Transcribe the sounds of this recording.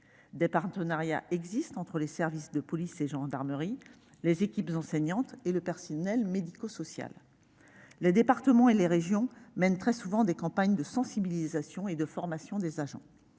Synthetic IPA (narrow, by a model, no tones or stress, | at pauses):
d̪epaʁt̪ənaʁja̰ʔɛɡzist̪ɑ̃t̪χəlesɛʁvisd̪əpɔliseʒɑ̃d̪aʁməʁi | lezekʲipzɑ̃sɛɲɑ̃t̪eləpɛʁsɔnɛlmed̪ikosɔsja̰lː | ed̪epaʁt̪əmɑ̃eleʁeʒjɔ̃mɛnt̪χɛsuvɑ̃d̪ekɑ̃paɲd̪əsɑ̃sibilizasjɔ̃ed̪əfɔʁmasjɔ̃d̪ezaʒɑ̰̃